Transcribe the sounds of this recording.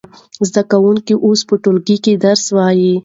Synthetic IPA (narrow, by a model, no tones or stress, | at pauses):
zd̪akawʊŋkiʔospəʈʊlɡiked̪aɾswɑji